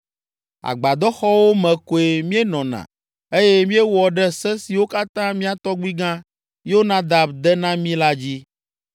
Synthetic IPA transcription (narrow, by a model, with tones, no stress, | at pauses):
a̰˨ɡ͡ba˨d̪ɔ˦xɔ˦wo˦mɛ̃˨ko˨e˨mĩ˦e˦nɔ̃˨nã̰˨ | e˦je˦mĩ˦e˦wɔ˨ɖɛ˦sɛ˦si˨wo˦ka˦t̪ã˦mĩ˦a˨t̪ɔ˦ɡ͡bi˦ɡã˦ | jo˦nã˦d̪a˨bd̪ɛ˦nã˦mĩ˦la˦d͡ʑi˦